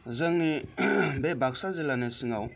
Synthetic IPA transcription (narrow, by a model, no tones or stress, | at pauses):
zɯŋnibebʱak̚sazɯlanesɯŋaw